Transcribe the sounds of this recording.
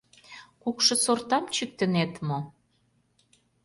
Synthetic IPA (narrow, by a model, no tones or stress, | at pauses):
kukʃɤ̆sort̪ɑmt͡ɕyk̚t̪ə̆net̪mo